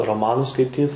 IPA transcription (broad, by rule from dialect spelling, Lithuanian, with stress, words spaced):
roːˈmɑːnʊs skɐɪˈtʲiːt